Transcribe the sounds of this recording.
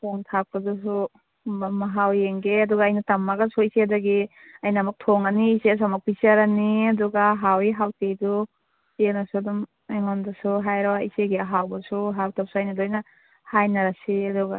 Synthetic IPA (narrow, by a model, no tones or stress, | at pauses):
tʰoŋtʰak̚kadɔs̬u | maɦawjeŋɡeaduɡaːjnatamːaɡasuisedaɡi | ajnamak̚tʰoŋaniːses̬amak̚pisaɾaniaduɡaɦawiɦawtejdu | enasudum | eŋɔndasuɦajɾawaiseɡeaɦawbasuɦawtap̚sajnadojna | hajnaɾasiaduɡa̰